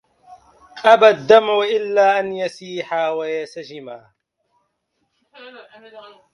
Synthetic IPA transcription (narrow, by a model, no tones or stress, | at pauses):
qʼabad̪ːamʊʔɪlːaːʔanjasiːħawajasad͡ʒɪmaː